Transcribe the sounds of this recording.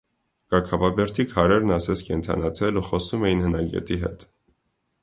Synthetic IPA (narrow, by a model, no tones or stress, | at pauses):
kɑkʰɑvɑbɛɾt̪ʰikʰɑɾɛɾnɑsɛt͡sʰkɛnt̪ʰɑ̰nɑt͡sʰɛluχɔsumɛjinhənɑɡɛ̰t̪iɦɛ̰t̪